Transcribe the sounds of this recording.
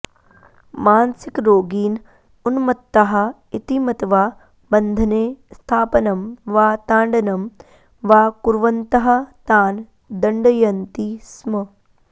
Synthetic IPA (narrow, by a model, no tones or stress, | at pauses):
maːnsɪkɾoːɡiːn | ʊnmɐt̪ːɐɦɐ̆ | ɪt̪imɐt̪ʋaː | bɐ̃nd̪ʱɐneːst̪ʰaːpɐnɐmʋaːt̪ãːɳɖɐnɐm | ʋaːkuɾʋɐnt̪ɐɦɐt̪aːn | d̪ɐɳɖɐjɐnt̪ismɐ